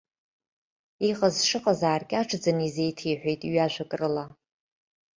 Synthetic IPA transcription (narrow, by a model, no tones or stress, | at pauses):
iqʼazʂɨqʼazaːrkʲʼaʈ͡ʂʰʼd͡zanizejtʰijħʷᶣejtʼiɥaʒʷakʼrɨla